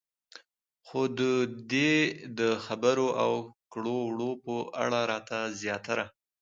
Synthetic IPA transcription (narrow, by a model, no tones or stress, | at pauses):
xod̪əd̪ed̪əxabəɾoʔawkɽowɽopəʔa̰ɽaɾɑt̪azjɑt̪aɾa